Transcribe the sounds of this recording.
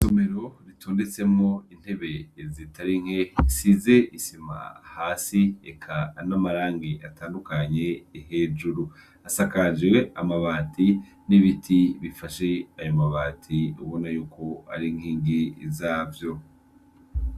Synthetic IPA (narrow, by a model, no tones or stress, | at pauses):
so̞me̞ɾo̞ɾitʰo̞ːnde̞t͡se̞mŋo̞in̥he̞βe̞zitʰaɾiŋ̥hesize̞ʔisima̰haːsiḛkʰanamaɾaːŋɡiʔataːndukaɲe̞ːɦe̞ːd͡ʒuɾu | asakad͡ʒweamaβaːtʰi | niβitʰiβifaʃe̞ajomaβaːtʰiuβo̞najuːko̞a̰ɾiŋ̥hiːŋɡizaːvjo̞